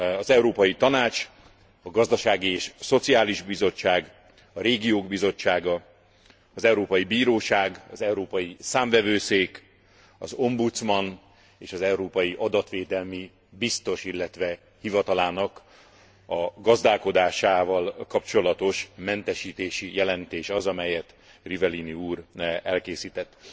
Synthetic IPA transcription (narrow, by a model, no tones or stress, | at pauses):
ɒzɛuɾoːpɒjit̪ɒnaːt͡ʃ | ɒɡɒzd̪ɒʃaːɡieːʃso̞t̪siaːliʒbizo̞t͡ʃːaːɡ | ɒɾeːɡijoːɡbizo̞t͡ʃːaːɡɒ | ɒzɛwɾoːpɒjibiːɾoːʃaːɡɒzɛuɾoːpɒjisaːɱvɛvøːseːk | ɒzo̞mbut̪smɒn | eːʃɒzɛuɾoːpɒjiʔɒd̪ɒt̪ʋeːd̪ɛlmi | bist̪o̞ʃilːɛt̪ʋɛ | hivɒt̪ɒlaːnɒk | ɒɡɒzd̪aːlko̞d̪aːʃaːvɒlkɒpt͡ʃo̞lɒt̪o̞ʃmɛnt̪ɛʃiːt̪eːʃijɛlɛnt̪eːʃɒzɒmɛjɛt̪ | rivɛliniuːɾɛlkeːsiːt̪ɛt̪ː